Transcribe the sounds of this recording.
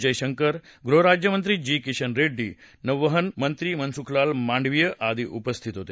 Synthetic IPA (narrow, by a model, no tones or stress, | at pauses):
d͡ʒəjʃəŋkəɾɡɾoɦɾad͡ʑjəmənt̪ɾid͡ʑiːkiʃɐnɾeɖːiː | nəʋːəɦənmənt̪ɾimɐnsukʰlaːlmãɳɖʋijəʔad̪iʔupəst̪ʰit̪ɦot̪e